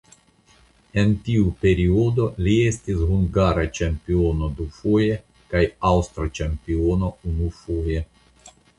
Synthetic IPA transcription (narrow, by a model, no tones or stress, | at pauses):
e̞ntiupe̞ɾio̞do̞lie̞stisɦuŋɡaɾat͡ʃempio̞no̞dufoje̞ | kajawstɾat͡ʃempio̞no̞unufoje̞